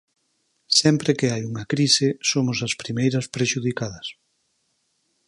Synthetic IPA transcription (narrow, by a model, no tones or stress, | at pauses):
sɛmpɾekeajuŋɐkɾisɪsomʊsɐspɾimejɾɐspɾeʃuðikaðɐs